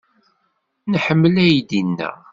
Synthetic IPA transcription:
nħəmːəlæjd̪inːæ̰

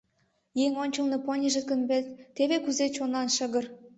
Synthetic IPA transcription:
jeŋʲonʲt͡ɕɤ̆lˠnɤ̆ponʲiʒə̆t̪kə̆nbet̪eβekyzet͡ɕonɑnʃə̆ɣɤ̆r

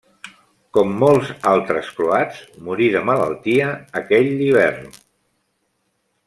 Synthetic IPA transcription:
kɔmːɔlˠzalˠt̪ɾəskluadzmuɾiðəmələ̰lˠt̪iəːkɛʎːiβ̞ɛrn

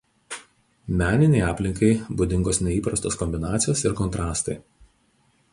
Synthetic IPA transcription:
mʲæːnʲɪnʲɛɪɑːpʲlʲɪŋkɐɪbʊd̪ʲɪŋɡoːsnʲɛiːpɾɐst̪oːskɔmʲbʲɪnɑːt̪sʲɪjoːsɪɾkɔnt̪ɾɑːst̪ɐɪ

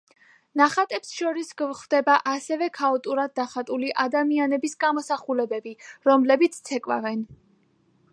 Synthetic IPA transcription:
naχat̪ʼɛpsʃɔɾisɡvχvd̪ɛbaʔasɛvɛkʰaɔt̪ʼuɾad̪̚ːaχat̪ʼuliʔad̪amianɛbisɡamɔsaχulɛbɛbiɾɔmlɛbit̪sʰt̪sʰɛkʼwa̰vɛn

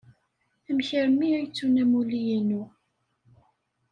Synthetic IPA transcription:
æmçəɾəmːiæjt͡sːunæmulijənu

